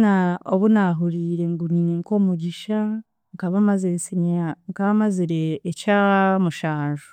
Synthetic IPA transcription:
naoβunaɦuɾiːɾe̞ŋɡuniniŋko̞ːmuɟiʃa | ŋkaβamazesiɲaŋkaβamaziɾeːcamuʃaːʒu̥

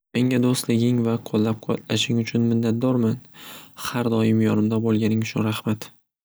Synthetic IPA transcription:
me̞ŋʲad̪ost̪lɪɡʲɪŋvaqʰolˠːap̚qʰɒt̪laʃɪŋʊt͡ʃʰʊnmɪnːat̪̚d̪ɒɾmanhaɾd̪ɒɪmjɒnɪmd̪abolˠɡʲanɪŋʊʃʰʊ̰ɾahmat̪

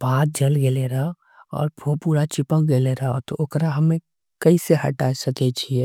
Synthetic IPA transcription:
b̥aːt̪̚d͡ʒəlɡeleɾa | ɔ̰ːɾpʰõpuːɽat͡ʃɪpək̚ɡeleɾaot̪oʔokɾaɦəmẽ | kəiseɦə̰ʈasək̪et͡ʃʰiɛ

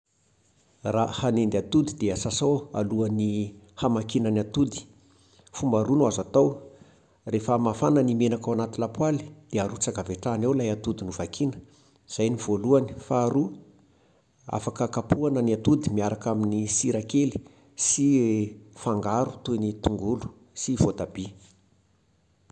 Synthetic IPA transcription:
rahanend̪at̪ud̪id̪eəsasowa̰luani | hamakinəniat̪ud̪i̥ | fumbaɾunuazat̪ow | refəmafanənimenakawanat̪ilapwali̥d̪̥eaɾut͡saɡaveʈ͡ʂanewlajat̪ud̪inuvakʰinə̥ | z̥ajnivoluani̥faːɾu | a̰fakəkapuanəniat̪ud̪imiaɾakaminisiɾakeli̥ | si | faŋɡaɾut̪unit̪uŋɡulu̥ | sivot̪ab̥i

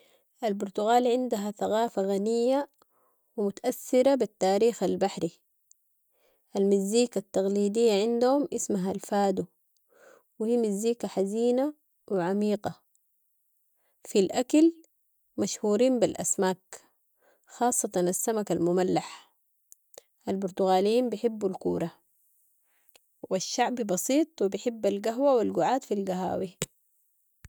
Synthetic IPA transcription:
ʔalbʊɾt̪ʊɣaːlʕɪnd̪aɦaθaɣaːfaɣanijːa | wɪmʊt̪aʔaθːɪɾabit̪ːaːɾiːxalbaħɾi | ʔalmɪzːiːkat̪ːaɣliːd̪ijːaʕɪnd̪humʔɪsmaɦalfaːd̪u | whiːmɪzːiːkaħaziːna | wɪʕamiːqɑ | filʔakal | maʃhuːɾiːmbilʔa̰smaːk | xɑːsˤːɑt̪ˤɑnasːamakalmʊmalːaħ | ʔalbʊɾt̪uɣaːlijiːmbɪħɪbːulkuːɾˤɑ | waʃːaʕbbɑsiːt̪ˤwibɪħɪbːalɡaɦwawilɡuʕaːt̪filɡaɦa̰ːwi

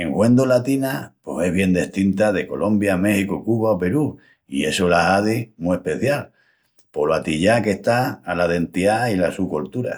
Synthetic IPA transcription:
e̞ŋhwe̞nd̪olat̪inapo̞se̞ɦβje̞nd̪e̞ht̪int̪aðe̞ko̞̰lʔõ̞mbjame̞hikokuβaope̞ɾu | ḭe̞solaɦaðimue̞hpe̞θjal | po̞loat̪iʎake̞ht̪aːlaðe̞nt̪iailasukolt̪uɾa̰

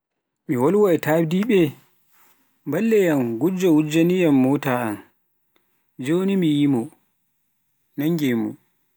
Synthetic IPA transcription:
miwɔlwɔɛtaːbdiɓɛ | mbalːɛjamɡud͡ʒɔwud͡ʒanijamːɔːtaːan | d͡ʒonimijimɔ | naŋɡemṵ

